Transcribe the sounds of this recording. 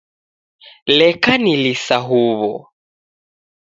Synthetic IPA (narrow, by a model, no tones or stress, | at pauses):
lɛkanilisaɦuβɔ̰